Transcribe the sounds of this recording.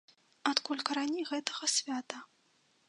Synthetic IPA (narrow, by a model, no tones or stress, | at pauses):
at̪kulʲkɐɾanʲejɣɛt̪ɐɣɐsʲvʲat̪ɐ